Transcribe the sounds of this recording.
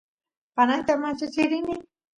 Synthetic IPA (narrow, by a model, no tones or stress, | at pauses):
panant̪amat͡ʃat͡ʃɪɾɪnɪ